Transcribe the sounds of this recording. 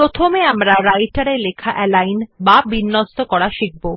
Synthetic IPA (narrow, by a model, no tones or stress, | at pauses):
pɾot̪ʰomeamɾaɾajʈaɾelekʰaʔɛlajnbabinːost̪okɔɾaʃik̚bo